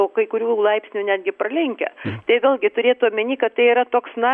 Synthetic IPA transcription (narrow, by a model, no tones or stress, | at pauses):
oːkɐɪkʊɾʲuːlˠɐɪpʲsʲnʲuːnʲæːd̪ʲɡʲɪprɐlʲɛŋʲkʲɛ̰t̪ɐɪʋʲeːlʲˠɡʲɪt̪ʊɾʲeːt̪uɐmʲɪnʲiːkɐtt̪ːɐɪiːɾɐt̪oːksnɐ